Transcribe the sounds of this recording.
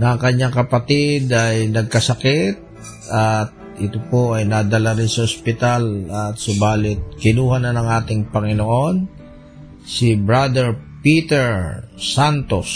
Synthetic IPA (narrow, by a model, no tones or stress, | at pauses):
nɐŋkɐɲːaŋkɐpɐt̪ɪd̪ɐjnɐɡ̚kɐsɐkɛt̪̚ | ɐt̪̚ʔɪt̪opoʔɐjnɐd̪ɐlaɾɪnsɐospɪt̪alɐt̪̚sʊbaːlɪt̪̚kɪnuːhɐnɐnɐŋʔaːt̪ɪŋpɐŋɪnoʔo̞n | sɪbɹad̪ɛɹpiːt̪ɛɹsant̪os